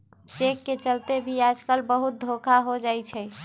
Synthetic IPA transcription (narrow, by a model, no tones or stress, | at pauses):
t͡ʃekːet͡ʃəlt̪ebʱiad͡ʒkəlbəɦut̪̚d̪ʱokʰaɦod͡ʒajt͡ʃʰɛ